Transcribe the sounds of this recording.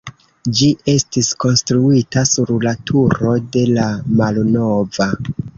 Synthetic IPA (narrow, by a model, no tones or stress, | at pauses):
d͡ʒiʔe̞stisko̞nstɾuitasuɾlatʰuɾo̞de̞lamalno̞va